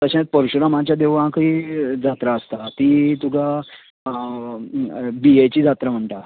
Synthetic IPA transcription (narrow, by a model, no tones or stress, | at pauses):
t̪əɕãt̪̚pəɾɕɾəmãt͡ɕjad̪eʋãkəid͡zat̪ɾaəst̪at̪iːt̪uɡʱa | biet͡ɕiːd͡zat̪ɾam̤əɳʈ̪a